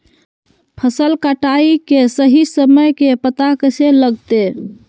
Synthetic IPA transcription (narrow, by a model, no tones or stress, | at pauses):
pʰəsəlkaʈaikesəɦisəməjkepət̪akəseləɡt̪e